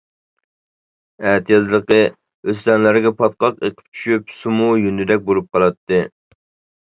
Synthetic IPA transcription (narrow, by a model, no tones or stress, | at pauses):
ɛt̪ʰɨjɑzlˠəqə | øs̬lɛnlæɾɡʲɛpʰɑt̪̚qɑqeqʰɪ̥p̚t͡ʃʰy̥ʃypsumujynɪd̪ɛk̚ʲboɾˠup̚qʰɑlˠɑt̪ʰːɨ